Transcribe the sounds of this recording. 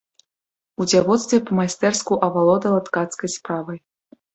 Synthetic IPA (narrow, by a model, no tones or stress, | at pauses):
ud͡zʲavɔt̪st̪vʲɛpɐmajst̪ɛrskuʔɐvalˠɔd̪ɐlˠat̪kat̪skɐjspɾavɐj